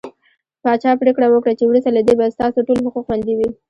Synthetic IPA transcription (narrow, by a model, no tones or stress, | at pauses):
pɑt͡ʃɑpɾekɽawəkɽat͡ʃewɾust̪alad̪ebast̪ɑsoʈolɦʊquxwand̪iwi